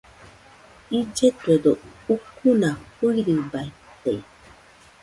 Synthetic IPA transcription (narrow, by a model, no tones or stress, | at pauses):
id͡ʒetwedoukunakuɾibai | tei